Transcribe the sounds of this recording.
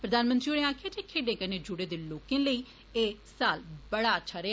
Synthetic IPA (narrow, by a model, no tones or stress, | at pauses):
pɾəd̪aːnmə̃nt̪ɾiːoɽẽaːkʰjaːd͡ʒekʰeːɖẽːkəneːd͡ʒʊɽeːd̪eːloːkẽːləiː | eːsaːlbəɽaːətːt͡ʃʰaːɾeː